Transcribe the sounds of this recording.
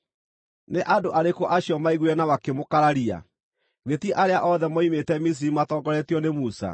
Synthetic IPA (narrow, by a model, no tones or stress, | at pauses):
neʔadoʔaɾekoʔaɕjɔmaiɣwɛnawakemokaɾaɾia̰ | ɣetiʔaɾeaʔɔðɛmɔimetɛmis̬iɾimatɔːɡɔɾɛtiɔnemusa̰